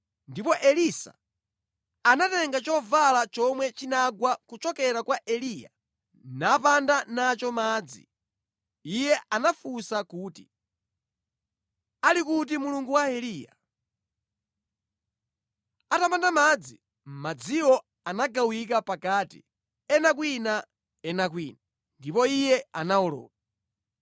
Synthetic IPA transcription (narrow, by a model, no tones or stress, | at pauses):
ndipɔʔɛlisa̰ | anatɛŋɡat͡ʃɔvalat͡ʃɔmwɛt͡ʃinaɡwakut͡ʃɔkɛɾakwaʔɛliːja̰ | napandanat͡ʃɔmaːd͡zḭ | ijɛʔanafusakuːti | alikut̬imuluŋɡuwaɛliːja̰ | atapandamad͡zi | mad͡ziwɔ | anaɡawikapakaːtḭ | ɛnak̬wina | ɛnak̬wiːna | ndipɔijɛanaɔlɔ̰ːka